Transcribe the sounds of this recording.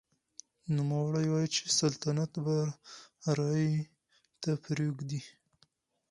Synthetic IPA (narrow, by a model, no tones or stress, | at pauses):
numawaɽajwɑjit͡ʃe̥salt̪anat̪ba | ɾɑji | t̪apɾuɡd̪i